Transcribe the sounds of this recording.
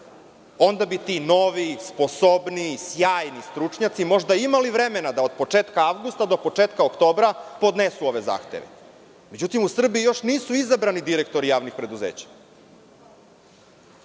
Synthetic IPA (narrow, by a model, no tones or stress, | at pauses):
o̞nd̪abit̪ino̞ʋispo̞sobnisjaːjnist̪ɾut͡ʃɲat̪simo̞ʒd̪aimaliʋɾe̞me̞nad̪ao̞d̪̚po̞t͡ʂe̞ːt̪kaaʋɡust̪ad̪o̞po̞t͡ʃeːt̪kaokt̪o̞ːbɾapo̞d̪nesuo̞ʋe̞za̰ːxt̪ḛʋḛ | me̞d͡ʑut̪imusr̩biijo̞ʃniːsuizabɾanid̪iɾekt̪o̞ɾijaːʋnixpɾe̞d̪uzḛːt͡ɕḁ